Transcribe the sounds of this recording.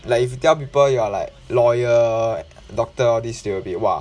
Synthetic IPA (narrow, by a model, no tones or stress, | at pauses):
laɪkifjutɛlp̬ipəljualaɪk̚lɔjə | dɔk̚təɔdisdewəbit̚wa̰